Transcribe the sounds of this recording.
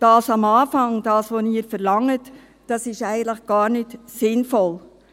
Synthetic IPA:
d̥ɑːsɑmɑːfɑŋd̥ɑːsʋoniːɾfɛɾlɑŋːət | d̥ɑsɪʃɛɪɡən̩tləχɡ̥ɑːɾnɪtsɪnfɔl

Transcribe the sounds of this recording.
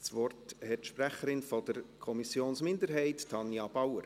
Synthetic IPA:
svɔrthɛtʃpræχəɾɪnfɔdəɾkʰɔmisjoːnsmɪndəɾɦɛɪttʰɑnjɑb̥ɑwəɾ

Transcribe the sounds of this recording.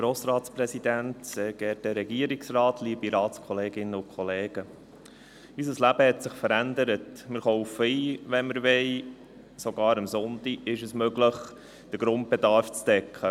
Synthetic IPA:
ɡ̥ɾoːsɾɑːtspɾɛsid̪æntsɛːɡ̥ɛɾdəɾɛɡiːəɾiksrɑːtʰliːbiɾɑːtskʰɔleːɡɪnːəʊkʰχɔleːɡ̥ə | ysəslæb̥əhɛt̪sɪχfəɾænd̪əɾətmɪɾχoʊfəiːʋɛnməɾʋɛɪ | soɡɑːɾəmsʊnt̪iɪʃəsmøɡləχ | d̥əɾɡ̥ɾʊnt̚bɛd̪ɑɾft͡sd̥̪ɛkʰə

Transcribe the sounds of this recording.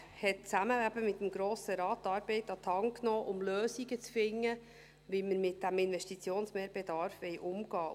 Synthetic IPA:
hɛt̚t͡sæməæbəmɪt̪ːəmɡɾoːsəɾɑːt̪ːɑːɾbɛɪtɑt̪ʰhɑŋknɔːʔʊmløːsiɡət͡sfɪŋːə | ʋiməɾmɪt̚d̥æmɪnʋɛʃtit͡sjoːnsmɛːɾb̥ɛd̪ɑɾfʋɛjʔʊmɡ̥ɑː

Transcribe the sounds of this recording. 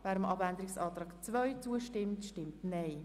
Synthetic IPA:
væːɾəmʔɑbænd̪əɾɪksɑːt̪ɾɑːkt͡sʋœɥt͡suəʃtɪmtʃtɪmtnɛɪ

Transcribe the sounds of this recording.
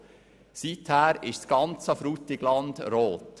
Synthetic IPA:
sithæːɾɪʃsɡɑnt͡səfɾutɪɡlɑnd̥ɾoːt

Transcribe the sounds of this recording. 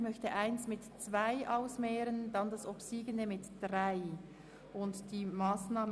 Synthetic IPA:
mœçtəʔaɪnsmɪtt͡sv̥aɪʔaʊsmɛːʁənd̥andasopsiːɡəndəmɪtd̥ʁaɪ | ʔʊntd̥iːmaːsnaːm

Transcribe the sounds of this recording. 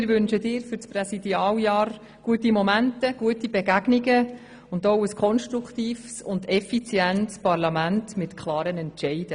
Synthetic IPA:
ɪɾʋʏnʃədɪːɾfʏɾt͡sprɛsidiɑːljɑːɾ | ɡ̥uətimɔmæntəɡ̥uətibɛɡæɡnɪɡə | ʊndowəskʰɔnʃtɾukʰt̪iːfsʊndɛfit͡sjɛntspɑɾlɑmæntmɪtkʰlɑːɾənɛntʃɛɪd̥ə

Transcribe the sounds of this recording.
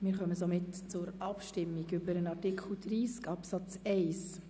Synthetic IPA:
mɪːɾχœməsomɪtt͡sʊɾɑpʃtɪmːiɡʏbəɾənɑɾtikʰl̩dɾiːskɑpsɑt͡sɛɪs

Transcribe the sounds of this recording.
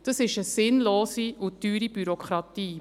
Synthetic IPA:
d̥ɑsɪʃəsɪnloːsiʊd̥yːɾib̥yɾokʰχɾɑtiː

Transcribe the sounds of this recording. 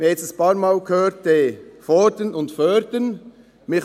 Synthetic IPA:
ɪjɛt͡sstəspɑːɾmɑːlkʰhøːɾtefɔːɾdənʊndfœːɾdən | mɪχ

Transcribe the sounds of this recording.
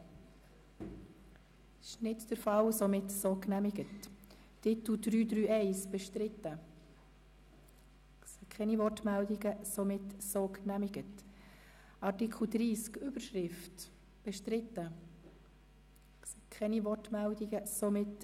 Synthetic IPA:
ɪ̥ʃnɪtd̥əɾfɑlsomɪtsoknæmɪɡətʰː | ɪt̪l̩dɾyːd̪ɾyːʔɛɪsb̥ɛʃtɾɪt̪ːə | sɛkʰχɛnivɔrtmældiɡəsomɪtsoknæmiɡət | ɑɾtikʰl̩d̪ɾiːskyb̥əɾʃɾɪft | b̥ɛʃtɾɪt̪ːə | sɛkʰɛnivɔrtmældiɡəsomɪt

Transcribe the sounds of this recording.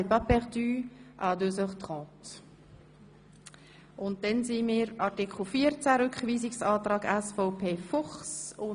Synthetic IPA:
pɑpɛʁd̪yːʔɑd̪øsœχt̪ʁɔ̃ːt | ʊnt̚d̥ɛnsimiːɾɑɾtɪkχl̩fiːəɾt͡sæɾʏkχviːsɪksɑːt̪ɾaːɡæsfɔʊpʰeːfɔχsʊ

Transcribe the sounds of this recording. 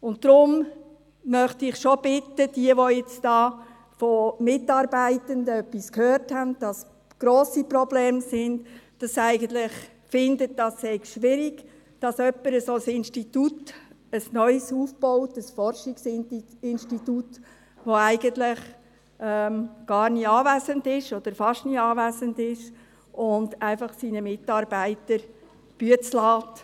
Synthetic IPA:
ʊnt̚d̥ɾʊm | mœχtiɪχʃob̥ɪtəd̥iəʋojɛt͡sdɑː | fɔmɪtɑːɾbæɪtəndəœpːiskʰhøːɾthændd̥ɑs | ɡ̥ɾoːsiprɔblɛːmsɪndd̥ɑsæɪɡəntlɪχ | fɪndət̚d̥ɑsːɛɪɡʃʋɪɾɪɡ̥ | d̥ɑsœpːəɾəsosɪnʃtitut | əsnœʏsuːfb̥ɔʊtəsfɔrʃɪksɪnʃtitut | ʋoæɪɡəntlɪχ | ɛmɡ̥ɑːɾniɑːvæsəndɪʃɔd̥̪əɾfɑʃtniɑːvæsəndɪʃ | ʔʊndæɪfɑχsinəmɪtɑɾbæɪtəɾ | b̥yət͡slɑːt

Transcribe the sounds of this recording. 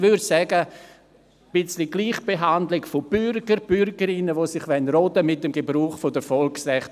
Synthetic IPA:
vʏɾsɛɡə | b̥ɪt͡sliɡliːχb̥eɦandlɪɡfob̥yɾɡ̥əɾb̥ʏɾɡəɾɪnəʋoːsɪχʋɛnɾɔdəmɪtːəmɡebɾuːχfodəfɔlksrɛχt

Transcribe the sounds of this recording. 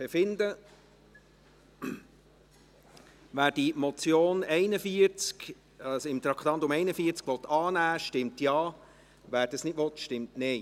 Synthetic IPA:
b̥efɪnd̪ə | væːɾd̥imɔt͡sjoːnɛɪnəfiəɾt͡sk | ɑsɪmt̪ɾɑkʰt̪ɑnt̪ʊmɛɪnəfiəɾt͡skʋɔt̪ʰːɑːnæːʃtɪmtjɑː | ʋæːɾd̥ɑsnɪtʋɔt̪ʃtɪmtnɛɪ

